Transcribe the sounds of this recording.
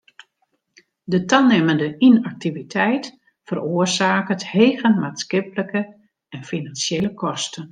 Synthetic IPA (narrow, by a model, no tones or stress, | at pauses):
dətalˠnɪməndəinak̚tivitʰɛjt | fəroərzaːkətheːɣənmaːtskɪpləkə | ɛnfinansjeːləkʰɔstən